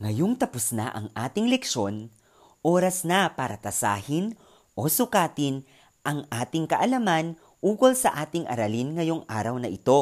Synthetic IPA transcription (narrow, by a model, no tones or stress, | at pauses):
ŋɐjoŋt̪ɐpʊsna̰ʔɐŋʔaːt̪ɪŋlɛkʃo̞n | ʔoːɾɐsnɐpaːɾɐt̪ɐsa̰ːhɪn | ʔosʊkaːt̪ɪn | ʔɐŋʔaːt̪ɪŋkɐʔɐlaman | ʔuːkolsɐʔaːt̪ɪŋʔɐ̰ɾalinŋɐjoŋʔa̰ːɾɐwnɐʔɪt̪o̞